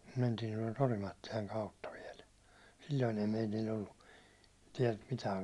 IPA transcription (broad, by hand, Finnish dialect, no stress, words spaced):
mentiːn tuɒlt orimɑtːilɑŋ kɑutːɑ ʋiɛl silːoin ei meitilʲː olːu tiɛlt mitæːŋ